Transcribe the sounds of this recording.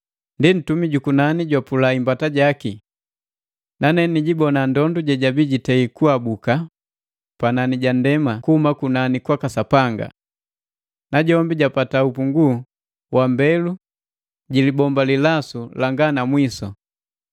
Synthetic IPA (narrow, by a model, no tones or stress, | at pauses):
ndin̩tumiɟukunaniɟwapulaimbataɟaki | nanɛniɟibɔnandɔnduɟɛɟabiɟitɛikuabuka | pananiɟandɛmakuhumakunanikwakasapaŋɡa̰ | naɟɔmbiɟapataupuŋɡu | wambɛlu | ɟilibɔmbalilasulaŋɡanamwisɔ